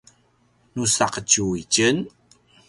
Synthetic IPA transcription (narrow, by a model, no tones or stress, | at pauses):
nusaqət͡ɕuit͡ɕən